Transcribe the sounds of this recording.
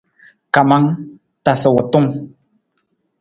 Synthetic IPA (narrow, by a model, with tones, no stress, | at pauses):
ka˨ma˦ŋ | ta˨sə˨wɔ˨tu˦˨ŋ